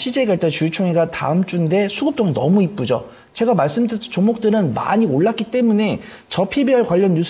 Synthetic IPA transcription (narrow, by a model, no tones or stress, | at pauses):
ɕʰid͡ʑeɡaɭt͈at͡ɕut͡ɕʰoŋiɡata̰ɯmt͡ɕ͈unde̞sʰuɡɯp̚t͈oŋnʌmuip͈ud͡ʑo | t͡ɕe̞ɡamaɭs͈ɯmdt͡ɕoŋmok̚t͈ɯɾɯnma̰ɲioɭːak͈it͈e̞mune̞ | t͡ɕʌpʰibiɦaɭkwaʎːʌnjus